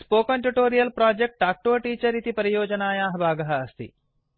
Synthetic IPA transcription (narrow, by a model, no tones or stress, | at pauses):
spoːkɐɳʈuʈoːɾijɐlpɾaːd͡ʒek̚ʈaːk̚ʈoːʈiːt͡ʃɐɾit̪ipɐɾijɔːd͡ʒɐnaːjaːɦɐbʱaːɡɐɦɐɐst̪ḭ